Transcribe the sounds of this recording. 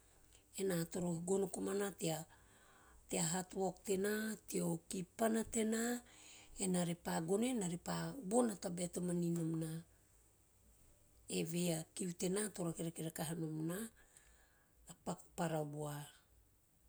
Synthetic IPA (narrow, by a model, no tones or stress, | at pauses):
e̞nato̞ɾohiɡo̞nokomanatea | teaɦatuokte̞natiokipanate̞na | enaɾepaɡo̞nenaɾepabo̞natabeatomaninomna | eve̞jakiute̞nato̞ɾakeɾakeɾakaɦanomna | apaku̥paɾabua